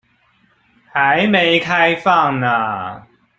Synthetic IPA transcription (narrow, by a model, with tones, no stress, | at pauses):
ha˨˦ɪme˨˦ɪkʰa˦ɪfɑ˥˨ŋnə˨